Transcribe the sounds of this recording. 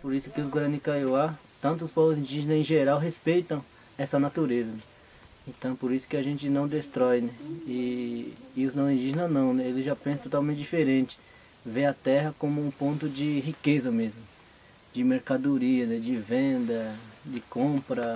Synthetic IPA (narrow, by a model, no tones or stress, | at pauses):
poɾisʊ̥kɪʊsɡɾanikajoa | t̪ɐ̃nt̪̬ʊːspɔvʊzĩndd͡ʒiʒẽnɐẽʒeɾawɦespejt̪ɐ̃w̃ | ɛsɐnat̪uɾezɐnɛ | ẽt̪ɐ̃w̃poɾisʊ̥kɪaʒẽnt͡ʃɪnɐ̃w̃d̪est̪ɾɔjnɛɪ | ʊznɐ̃w̃ĩnd͡ʒ̪iʒenɐnɐ̃w̃nɛelɪʒapẽsɐt̪ot̪awmẽnt͡ʃɪd͡ʒifeɾẽnt͡ʃɪ̥ | veɐt̪ɛɦɐkõmʊũpõnt̪ʊd͡ʒɪɦikezɐmezmʊ | d͡ʒɪmeɾkad̪oɾiɐnɛd͡ʒɪvẽd̪ɐd͡ʒɪkõpɾɐ